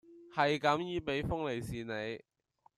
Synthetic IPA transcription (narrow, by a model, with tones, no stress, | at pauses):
hɐ˨jkɐ˨˥mjiː˨˧pe˨˥jfʊ˥ŋle˨jsiː˨ne˨˧j